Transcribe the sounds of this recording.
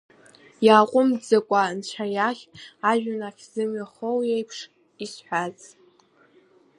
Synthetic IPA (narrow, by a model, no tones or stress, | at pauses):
jaːqʷʼʊmd͡zakʷʼant͡ʃʷʰajaχʲaʒᶣanaχʲz̥ɨmɥaχowjejpʰʂ | isħʷᶣat͡sʼ